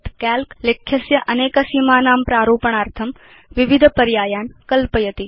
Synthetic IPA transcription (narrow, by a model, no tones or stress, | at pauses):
t̪kaːlklekʰːjɐsjɐʔɐneːkɐsiːmaːnaːmpɾaːɾoːpɐɳ̃aːɾt̪ʰɐm | ʋɪʋɪd̪ʱpɐɾjaːjaːnkɐlpəjɐt̪i